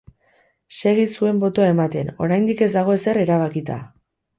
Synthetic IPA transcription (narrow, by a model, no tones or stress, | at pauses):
se̞ɣ̞isue̞mbo̞t̪o̞ae̞mat̪e̞no̞̰ɾajnd̪ike̞zd̪aɣ̞o̞e̞se̞ɾe̞ɾaβ̞akit̪a̰